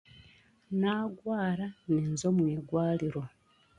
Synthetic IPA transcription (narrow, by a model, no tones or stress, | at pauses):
naːɡwaːɾaninzo̞mwiːɡwaːliɾo̞